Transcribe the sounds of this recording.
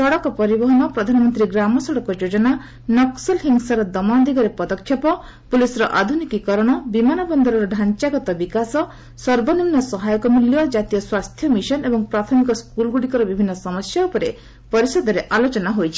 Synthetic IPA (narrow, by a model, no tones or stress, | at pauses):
sɔɽɔkɔpɔɾibɔɦɔnɔpɾɔd̪ʱanɔmɔnt̪ɾiɡɾamɔsɔɽɔkɔd͡ʒod͡ʒɔna | nɔksɔlɦiŋɡsaɾɔd̪ɔmad̪iɡɔɾepɔd̪ɔkʰːjɔpɔ | pulisɔɾɔʔad̪ʱunikikɔɾɔɽ̃ɔbimanɔbɔnd̪ɔɾɔɾɔɖʱant͡ʃaɡɔt̪ɔbikasɔ | sɔɾbɔnimnːɔsɔɦajɔkɔmuljɔd͡ʒat̪ijɔswast̪ʰjɔmiʃɔnebɔŋpɾat̪ʰɔmikɔskulɡuɽikɔɾɔbibʱinːɔsɔmɔsjaupɔɾe | pɔɾisɔd̪ɔɾeʔalot͡ʃɔnaɦojt͡ʃʰi̥